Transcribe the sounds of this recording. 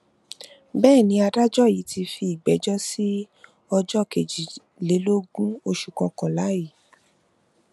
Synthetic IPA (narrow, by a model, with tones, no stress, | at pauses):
bɛː˦˨nĩ˧˦a˧da˦d͡ʒɔ˦˨ji˨˦tʰi˧fi˧i˨ɡ͡bɛ˨˦d͡ʒɔ˦si˦ | ɔ˧d͡ʒɔ˦˨ke˨d͡ʒi˨ | le˨˦lo˦ɡũ˦o˧ʃu˨kɔ̃˧kɔ̃˨la˨˦ji˦˨